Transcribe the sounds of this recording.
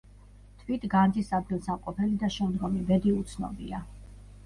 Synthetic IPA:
t̪ʰvit̪ʰɡand̪isad̪̚ɡilˠsamqʼɔpʰɛlid̪aʃɛmd̪ɡɔmibɛd̪iut̪sʰnɔ̰bḭa

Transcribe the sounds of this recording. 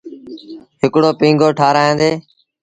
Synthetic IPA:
ɦɪkɽoːpĩːŋɡoːʈʰaːɾaːẽːd̪eː

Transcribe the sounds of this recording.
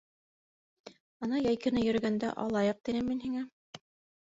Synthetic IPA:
ɑnɑjæjkɘ̆nɘjɵ̆ɾɵ̆ɡænd̪æ̰ʔɑ̰lˠɑjɤq̚t̪inɘmːinhiŋæ

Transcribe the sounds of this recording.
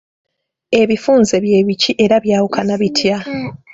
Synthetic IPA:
e̞βifuːnze̞βje̞ːβiciʔe̞ɾaβjaːwukanaβitʰja

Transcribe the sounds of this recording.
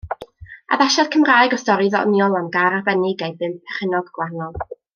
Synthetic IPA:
a̰ðaʃad̥kʰəmraːjɡɔstɔɾiðɔ̰njɔlˠamɡaɾarbɛnɪɡejdbɨnd̚pʰɛ̥χənɔɡɡ̥wanɔlˠ

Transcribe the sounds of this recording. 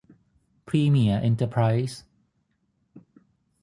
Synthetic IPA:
pʰɹiːmiəʔɛ̃ntəpʰɹaɪs

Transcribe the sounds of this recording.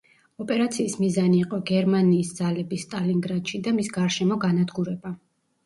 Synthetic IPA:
ɔpʼɛɾat̪sʰiːsmizaniːqʼɔɡɛɾmaniːsd̪z̥alɛbist̪ʼaliŋɡɾat̪ʃid̪amisɡaɾʃɛmɔɡanad̪ɡuɾɛba

